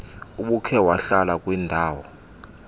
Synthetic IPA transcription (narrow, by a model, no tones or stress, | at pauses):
uɓukʰɛwaɬalakʼwindʱaːwɔ